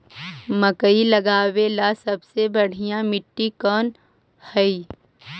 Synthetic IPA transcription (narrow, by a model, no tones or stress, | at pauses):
məkəilɐɡaːwelasɐbsebɐɽ̤ijãmɪʈːikɔːn | hɐi